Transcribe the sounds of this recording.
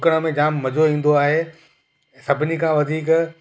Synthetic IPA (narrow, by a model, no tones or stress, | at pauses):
kəɽ̃əmẽd͡ʑaːmːɐd͡ʑoĩːn̆d̪oaːɦe | sɐbʱɪnikʰãːʋɐd̪ʱiːk